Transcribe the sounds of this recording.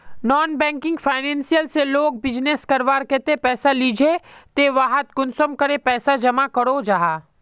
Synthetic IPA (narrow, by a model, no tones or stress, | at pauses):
nɔːnbɛ̃ːŋkɪ̃ŋɡfʰaːɪnẽːnsijəlseloːk̚bɪd͡ʒneskɐɾʋaːɾket̪epɛːsaliːd͡ʒʱet̪eʋaːɦət̪̚ɡʊnsəmkɐɾepɛːsad͡ʒɐmakɐɾod͡ʒaːɦaː